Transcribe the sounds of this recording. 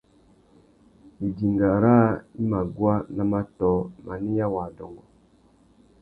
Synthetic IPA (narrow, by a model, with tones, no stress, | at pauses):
i˨d͡ʒi˨ŋɡa˨ɾa˦i˦ma˨ɡwa˦na˦ma˦tɔ˨ma˨ni˦ja˦wa˨dɔ˨ŋɡɔ˨